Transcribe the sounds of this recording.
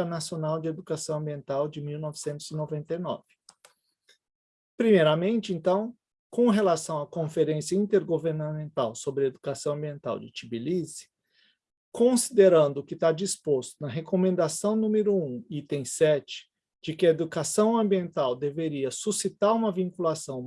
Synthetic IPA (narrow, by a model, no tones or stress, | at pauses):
nasionawd͡ʒɪed̪ukasɐ̃w̃ɐ̃mbiẽnt̪awd͡ʒɪmiwnɔvɪsẽnt̪ʊz̥ɪnovẽnt̪ɐjnɔ̰vɪ̥ | pɾimejɾɐmẽnt͡ʃɪẽnt̪ɐ̃w̃ | kõɦelasɐ̃w̃ɐkõfeɾẽsjɐĩnt̪eɾɡoveɾnamẽnt̪awsobɾɪed̪ukasɐ̃w̃ɐ̃mbiẽnt̪a̰wd͡ʒɪt͡ʃibilizɪ̥ | kõsid̪eɾɐ̃nd̪ʊːkɪt̪ad͡ʒispost̪ʊnɐɦekomẽnd̪asɐ̃w̃nũmɪɾʊũit̪ẽj̃sɛt͡ʃɪ̥ | d͡ʒɪkɪɐed̪ukasɐ̃w̃ɐ̃mbiẽnt̪awd̪eveɾiɐsusit̪aɾũmɐvĩŋkulasɐ̃w̃